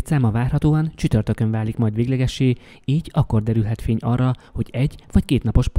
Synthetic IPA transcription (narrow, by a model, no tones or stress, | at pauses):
t̪saːmɒvaːrhɒt̪oːɒnt͡ʃyt̪ørt̪ø̞kø̞ɱvaːlikmɒjd̪ʋeːɡlɛɡɛʃːeː | iːɟɒkːo̞rd̪ɛɾylɦɛt̪feːɲɒrːɒho̞ɟɛɟʋɒckeːt̪nɒpo̞ʃp